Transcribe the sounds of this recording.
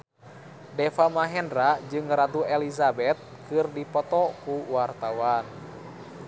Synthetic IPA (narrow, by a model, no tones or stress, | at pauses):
dɛfamaɦɛndɾad͡ʒɨŋrat̪uɛlizabɛt̪̚kɨrdipɔt̪ɔkuwart̪awan